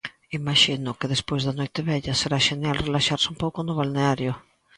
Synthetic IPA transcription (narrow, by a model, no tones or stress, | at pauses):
imaʃinʊkeðespwezðanojt̪eβɛʎaseɾaʃenjalrelaʃaɾsɪumpowkʊnʊβ̞alneaɾjo